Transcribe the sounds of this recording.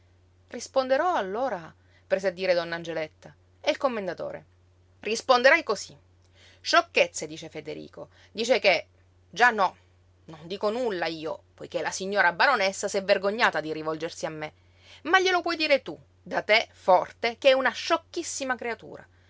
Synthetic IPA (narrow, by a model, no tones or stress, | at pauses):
rispond̪eɾɔalːoːɾa | pɾeːzead̪ːiːɾed̪ɔnːand͡ʒelet̪ːa | eilkomːend̪at̪o̰ːɾḛ | rispond̪eɾajkosi | ʃokːet̪sːed̪iːt͡ʃefed̪eɾḭːko | d̪iːt͡ʃeke | d͡ʒanːɔ | nond̪iːkonulːaiːo̰pojkelasiɲːoːɾabaɾonesːasɛverɡoɲːaːt̪ad̪iɾivɔld͡ʒersiamːe | maʎːelopwɔjd̪iːɾet̪u | d̪at̪efɔrt̪ekeɛunaʃokːisːimakɾeat̪ṵːɾa̰